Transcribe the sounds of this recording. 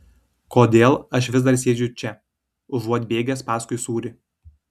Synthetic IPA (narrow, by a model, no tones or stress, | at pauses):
koːd̪ʲeːlˠɐʃʋʲɪzd̪ɐɾsʲeːd͡ʒʲʊt͡ʃʲɛ | ʊʒuɔt̪ʲbʲeːɡʲɛspɑːskʊɪsuːɾʲɪ